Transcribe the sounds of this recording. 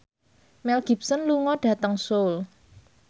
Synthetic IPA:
mɛlɡ̥i̤p̚sənluŋɔɖ̥ä̤t̪əŋsol

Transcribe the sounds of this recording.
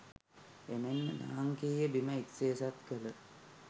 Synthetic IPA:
emenːəna̰ːaŋkiːjəbiməit̪seːsat̪kələ

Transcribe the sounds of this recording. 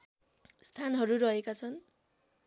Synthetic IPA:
st̪ʰanɦʌɾuɾʌɦekat͡sʰʌn

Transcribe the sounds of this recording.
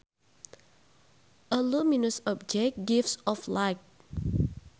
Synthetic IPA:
ʔəluminusɔp̚d͡ʒɛk̚ɡifsɔflaɪk̚

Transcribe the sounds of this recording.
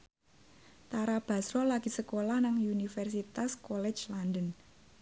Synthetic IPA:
t̪aɾab̥a̤sɾɔlaɡ̥i̤səkolahnaŋunifɛrsit̪askɔlɛ̥d͡ʒlandən

